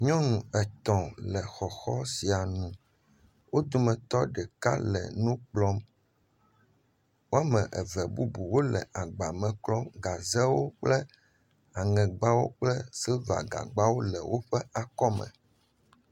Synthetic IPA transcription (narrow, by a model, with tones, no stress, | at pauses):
ɲɔ̃˦nũ˨ɛ˨t̪ɔ̃˨lɛ˨xɔ˨xɔ˦si˨a˨nũ˨ | wo˦d̪o˦mɛ̃˨t̪ɔ˦ɖɛ˨ka̰˦lɛ̰˨nũ˦k͡plɔ˦m | wo˦a˦mɛ̃˨ʔɛ˨vɛ˨bu˦bu˨wo˦lɛ˨ʔa˨ɡ͡ba˨mɛ̃˨k͡plɔ˦mɡa˨zɛ˦wo˦k͡plɛ˦ | a˨ŋɛ̃˨ɡ͡ba˦wo̰˦k͡plɛ˦sɛ˦va̰˨ɡa̰˨ɡ͡ba˦wo˦lɛ̰˨wʔo˦ɸɛ˦a˨kɔ˦mɛ̰̃˨